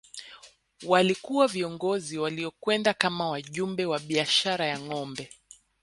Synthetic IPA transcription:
walikuwaviɔŋɡɔziwaliɔkwɛndakamawaʄumbɛwaɓiaʃaɾajaŋɔmbɛ

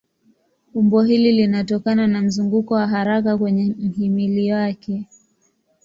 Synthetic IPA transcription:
umbɔɦililinatɔkananam̩zuŋɡukɔwaɦaɾakakwɛɲɛm̩himiliwakɛ

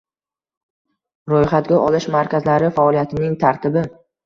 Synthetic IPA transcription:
ɾojχat̪̚ɡʲaʔɒlɪʃmaɾkʲazlaɾɪfaɒlˠijat̪ʰɪnɪŋt̪ʰaɾt̪ʰɪbɪ

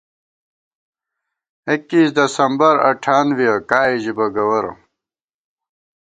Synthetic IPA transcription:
ekːiːsd̪ɐsɐmbɐɾɐ̰ʈʰaːnwiɐkaːiʑibɐɡɐwɐɾo̰

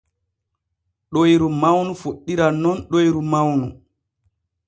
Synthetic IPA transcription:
ɗojɾumawnufoɗːiɾanɔnɗojɾumawnu

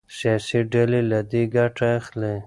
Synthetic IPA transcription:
sjɑsiɖalelad̪eɡaʈaːxle

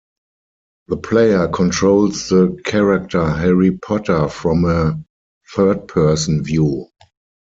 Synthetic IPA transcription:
ðəpʰleɪə˞kʰɔ̃ntʰɹoʊlsðəkʰɛɹak̚tʰəɦɛɹipʰɔtʰə˞fɹɔ̃mə | θɜ˞d̚pʰɜ˞sə̃nvjuː

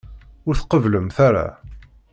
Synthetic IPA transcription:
ʊɾθqəvləmθaɾa̰

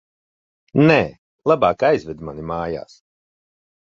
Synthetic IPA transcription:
nɛː | lˠabaːkajzvɛd̪manimaːja̰ːs

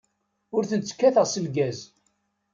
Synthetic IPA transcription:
ʊɾθənt͡sːə̥kːæθəʁsəlɡæz

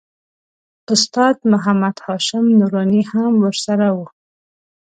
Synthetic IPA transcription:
ʊst̪ɑd̪mʊɦamad̪hɑʃɪmnuɾɑnihamwəɾsaɾawu

